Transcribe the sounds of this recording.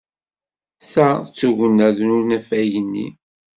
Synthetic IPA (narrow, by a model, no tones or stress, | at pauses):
θæt͡sːuʝənːæðnʊɾnæfæjənːḭ